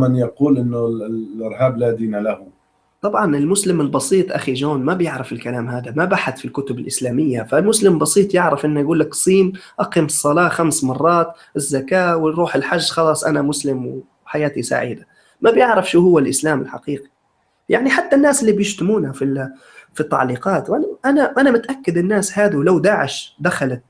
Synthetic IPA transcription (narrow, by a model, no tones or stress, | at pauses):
manjɑquːlʔɪnːʊʔɪɾhaːblaːd̪iːnalahʊ | t̪ˤɑbʕɑnɪlmʊslɪmɪlbɑsiːt̪ˤʔaxid͡ʒoːnmabjɪʕɾɪfɪlkalaːmɦaːd̪amabaħaθfilkʊt̪ʊbɪlʔɪslaːmɪjːafalmʊslɪmbɑsˤiːt̪ˤjɪʕɾɪfʔɪnːajɡuːlːaksˤiːnʔɑqimɨsˤːɑlɑːxamsmɑrˤːɑːt̪ | ɪzːakaːwɪɾuːħɪlħaʒːxɑlɑːsˤʔanamʊslɪmw | ħajaːt̪isa̰ʕḭːd̪a | mabjɪʕɾɑfʃuːhʊwːalʔɪslaːmɪlħa̰qiːqi̥ | jaʕniħat̪ːanːaːsɪlːibjɪʃt̪ʊmuːnafi | fit̪ːa̰ʕliːqɑːt̪wʔanaʔanaʔanamʊt̪ʔakːad̪ɪnːaːshaːd̪awlawd̪aːʕɪʃd̪axalat̪̚